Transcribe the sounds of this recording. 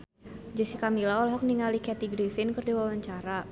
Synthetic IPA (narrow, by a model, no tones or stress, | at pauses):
d͡ʒəsikamilaɔlɦɔk̚niŋalikɛt̪iɡɾifɪnkərdiwawaɲt͡ʃaɾa